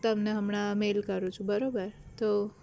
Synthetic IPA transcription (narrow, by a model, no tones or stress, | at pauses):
t̪əmneɦəmɳ̃amelkəɾũt͡ʃʰũbəɾobəɾt̪o